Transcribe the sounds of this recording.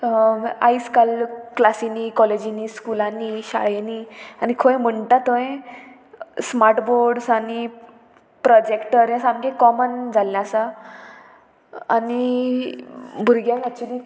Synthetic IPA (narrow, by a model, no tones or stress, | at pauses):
a̰iskalklasinikɔled͡ʑiniskulãniɕa̰ɭeniːañikʰõẽm̤əɳʈ̪at̪õẽ | smaɾʈboɾɖsaɽ̃i | pɾɔd͡ʑekʈəɾjãsãmɡẽkɔmənd͡zʱalːasa | a̰ni | bʱuɾɡjãnɛk̚t͡ɕuəliː